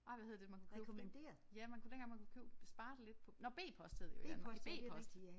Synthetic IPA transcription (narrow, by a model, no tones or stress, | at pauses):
ʔɑ̈ɪ̰ʋæheð̰ˠd̥emænkukʰø̰mnd̥ḛɐjæmænkud̥enɡ̥ɑŋmænkʰukʰyʊ̰̥sb̥ɑ̈ːd̥ele̝d̥̚pʰɒ̽nɒb̥e̝̰ːpʰɒ̽sd̥heð̰ˠjɐnbe̝̰ːɒ̽ssd̥